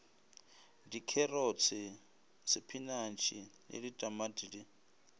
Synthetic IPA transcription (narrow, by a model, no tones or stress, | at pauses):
dikʰɛrɔt͡sʰɪ | sɪpʰinant͡ʃʰinʔḛlitʼamadiɺi